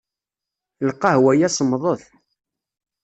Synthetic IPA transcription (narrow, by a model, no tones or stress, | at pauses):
lqːɑhwæjæsˤəmːðˤəθ